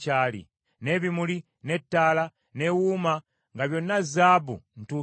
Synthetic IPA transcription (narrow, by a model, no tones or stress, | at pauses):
caːlḭ | ne̞βimuli | ne̞tːaːla | ne̞wuːma | ŋɡaβjo̞nːazaːbṵn̩tuː